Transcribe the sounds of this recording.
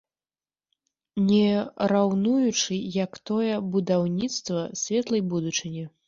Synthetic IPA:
nʲɛɾawnujut͡ʂɨjɐkt̪ɔjɛbud̪awnʲit̪st̪vɐsʲvʲɛt̪lˠɐjbud̪ut͡ʂɨnʲi

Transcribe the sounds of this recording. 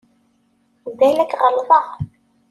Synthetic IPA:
ðælækʁəlːðˤɑ

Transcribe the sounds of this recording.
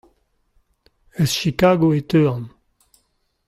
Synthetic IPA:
əsʃikaɡoet̪øːɑ̃n

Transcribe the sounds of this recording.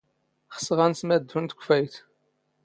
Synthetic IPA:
χə̥səʁænsmæd̪unt̪ə̥kʷfæjt̪

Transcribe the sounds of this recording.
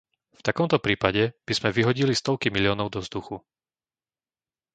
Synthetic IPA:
ft̪akɔmt̪ɔpɾiːpaɟɛb̥izmɛʋiɦɔɟilist̪ɔʊkimilɪɔːnɔʊd̪ɔvzd̪uxu

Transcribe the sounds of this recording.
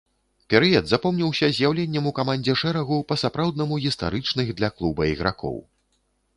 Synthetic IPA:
pʲɛɾɨɐd̪zapɔmnʲiwsʲɐzʲjawlʲenʲːɛmukamanʲd͡zʲɛʂɛɾɐɣupɐsapɾawd̪nɐmuɣʲist̪a̰ɾɨt͡ʂnɨɣd̪lʲɐklˠubɐiɣɾa̰kɔ̰w

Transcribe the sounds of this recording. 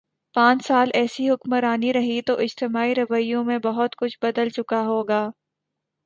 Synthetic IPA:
pãːt͡ʃsaːlɛːsiɦʊkməɾaːniɾɐɦit̪oʔɪd͡ʒt̪ɪmaːiɾɐʋəɪjõmẽbɐɦʊt̪kʊt͡ʃʰbɐd̪əlt͡ʃʊkaɦoːɡaː

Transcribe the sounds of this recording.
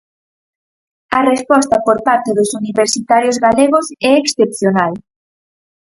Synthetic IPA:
ɐrespɔst̪ɐpoɾpaɾt̪eðʊsuniβeɾsit̪aɾjozɣaleɣosɛeksθepθjonal

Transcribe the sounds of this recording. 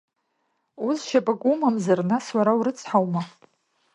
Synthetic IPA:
uzʃapʼakʷʼumamzarnaswaɾawuɾɨt͡sʰħawma

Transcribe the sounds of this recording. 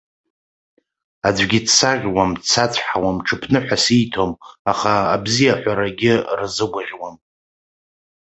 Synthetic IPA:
ad͡zʷɡʲɪdsaʁʲwamsʰat͡sʷʰħawamʈ͡ʂʰɨpʰnɨħʷᶣasijtʰo̞maχaːbzijaħʷaɾaɡʲɪrzɨɡʷaʁʲwam

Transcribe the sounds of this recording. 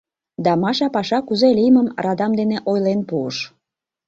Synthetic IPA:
d̪ɑmɑʃɑpɑʃɑkuzelʲijməmrɑd̪ɑmd̪eneʔojlenpuəʃ

